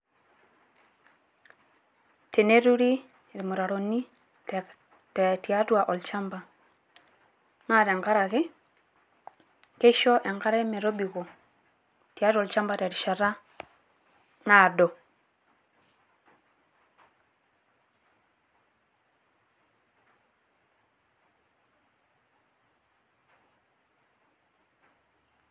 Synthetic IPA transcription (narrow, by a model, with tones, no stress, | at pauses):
te˨ne˦ɾu˦ɾi˦˨ | ɾi˨mo˨ɾa˨ɾo˨ni˦ | t | tɛ˨ti˨a˦twa˨ʔɔ˨lt͡ʃa˦mba˨ | ŋa˦˨ɾɛ˨ŋka˦ɾa˨ɣɪ˦ | ke˦ʃɔ˦ʔɛ˨ŋka˦ɾɛ˦mɛ˨ɾo˦bi˨ɣo˨ | ti˨a˦tɔ˨lt͡ʃa˦mba˨tɛ˨ɾi˨ʃa˨ɾa˦ | na˦˨dɔ˨